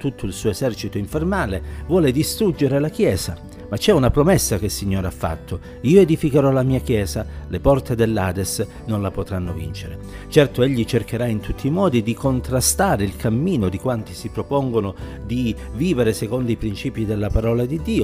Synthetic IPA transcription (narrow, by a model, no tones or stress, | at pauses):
t̪ut̪ʰːoilsuːoezɛrt͡ʃit̪oiɱfermaːlevwɔːled̪ist̪ɾud͡ʒːeɾelak̟jɛːza | mat͡ʃːɛunapɾomɛsːak̟eilsiɲːoːɾeafːa̰t̪ʰːo | iːoed̪ifikeɾɔlamiːakjɛːzalepɔrt̪ed̪elːaːd̪es | nonlapot̪ɾanːovḭnt͡ʃeɾet͡ʃɛrt̪oeʎːit͡ʃerkeɾaint̪ʰut̪ʰːiːmɔːd̪id̪ikont̪ɾast̪aːɾeilkʰamːiːnod̪ikwant̪i̥sipɾopoŋɡonod̪iviːveɾesekond̪oipɾint͡ʃiːpid̪elːapaɾɔːlad̪id̪ːiːo